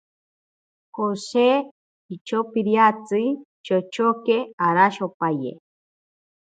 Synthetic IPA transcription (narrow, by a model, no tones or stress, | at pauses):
hose | it͡ʃopiɾjat͡sɨ | t͡ʃot͡ʃokeaɾaʃopajḛ